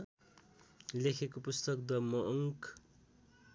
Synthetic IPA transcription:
lekʰekopust̪ʌk̚d̪ʌmʌʔŋk

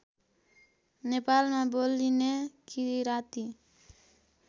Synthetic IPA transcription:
nepaːlmãbolːinekiiɾat̪i

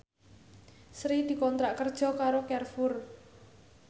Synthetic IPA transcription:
sɾid̪̥i̤kɔnt̪ɾaʔkərd̥ʒ̥ɔ̤kaɾokɛrfʊr

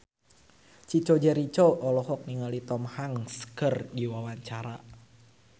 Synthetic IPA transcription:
t͡ʃit͡ʃod͡ʒɛɾit͡ʃoʔɔlɔɦɔk̚niŋalit̪ɔmhaŋskərdiwawaɲt͡ʃaɾa

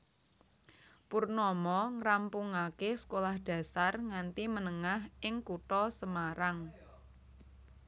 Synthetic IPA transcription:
purnɔmɔŋɾampuŋakesə̥kolahd̥ä̤sarŋant̪imənəŋaɦʔɪŋkuʈɔsəmaɾaŋ

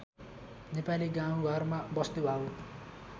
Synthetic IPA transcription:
nepaliɡãw̃ɡʱʌrmabʌst̪ubʱau

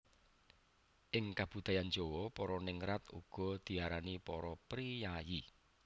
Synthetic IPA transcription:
ʔɪŋkab̥ud̪̥a̤jand͡ʒowɔpɔɾɔnɪŋɾat̪ṵɡ̥ɔ̤d̪̥i̤aɾanipɔɾɔpɾijaji

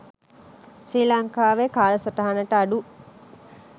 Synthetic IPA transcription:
siːlaŋkaːʋekaːləsət̪aɦanəʈəaɖu

